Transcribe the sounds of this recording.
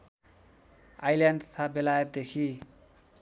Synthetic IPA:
ajlaɳɖt̪ʰabelajʌt̪̚d̪ekʰi

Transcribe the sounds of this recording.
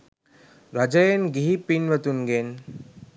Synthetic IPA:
ɾɐd͡ʒɐjenɡiɦipinʋət̪unɡen

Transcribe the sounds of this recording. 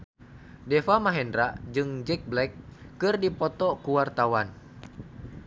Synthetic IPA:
dɛfamaɦɛndɾad͡ʒɨŋd͡ʒɛk̚blɛkːɨrdipɔt̪ɔkuwart̪awan

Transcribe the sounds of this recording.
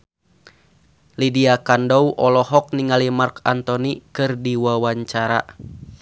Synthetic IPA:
lidiakandɔwʔɔlɔɦɔk̚niŋalimarkant̪ɔnikɨrdiwawaɲt͡ʃaɾa̰

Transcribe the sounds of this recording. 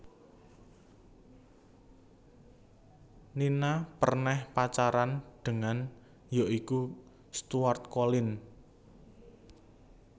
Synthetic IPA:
ninapərnɛhpat͡ʃaɾanɖ̪̥ə̤ŋan | joʔiku | st̪uart̪̚kolɪn

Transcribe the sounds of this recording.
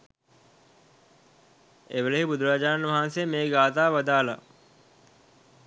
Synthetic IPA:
eʋəleɦibud̪uɾaːd͡ʒaɾanʋaɦansejəmeːɡaːt̪aːʋad̪aːla̰

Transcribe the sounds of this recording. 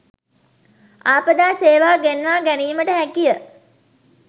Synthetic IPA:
aːpəd̪aːseːʋaːɡenʋaːɡæniːməʈəɦækijə

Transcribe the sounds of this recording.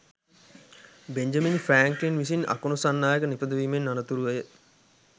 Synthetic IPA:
beɲd͡ʒaminifæːŋkinʋisina̰kunusanːaːjəkənipəd̪əʋiːmenːanət̪uɾuʋəjə

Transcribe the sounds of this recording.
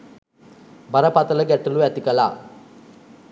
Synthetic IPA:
bɐɾɐpɐt̪ɐlɐɡɛʈːɐluɛt̪ikɐla̰

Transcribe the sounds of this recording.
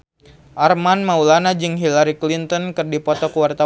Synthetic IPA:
ʔarmanmaulanad͡ʒɨŋɦilaɾiklint̪ɔnkɨrdipɔt̪ɔkuwart̪a

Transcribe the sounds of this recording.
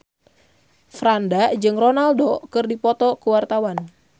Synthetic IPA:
fɾandad͡ʒɨŋronaldokɨrdipɔt̪ɔkuwart̪awan

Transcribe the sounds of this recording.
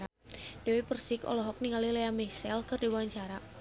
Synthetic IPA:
a | d̥ɛwipərsikɔ̰lɔɦɔk̚niŋalilɛamɛsɛlkɨrdibuwaɲt͡ʃaɾa

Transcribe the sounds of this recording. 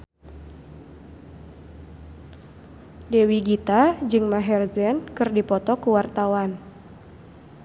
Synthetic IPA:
dewiɡit̪ad͡ʒɨŋmaɦɛrzɛnkɨrdipɔt̪ɔkuwart̪awan

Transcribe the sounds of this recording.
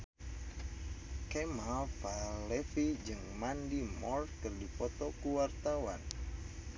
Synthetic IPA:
kemafalɛfid͡ʒɨŋmandimɔrt̪̚kɨrdipɔt̪ɔkuwart̪awa̰n

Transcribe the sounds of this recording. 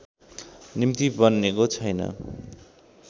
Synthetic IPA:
nimt̪ibʌnːekot͡sʰʌjnʌ̰

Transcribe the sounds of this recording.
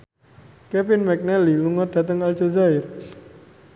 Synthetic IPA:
kɛfɪnmɛk̚nɛliluŋɔt̪̚d̪̥ä̤t̪əŋald͡ʒazaɪr

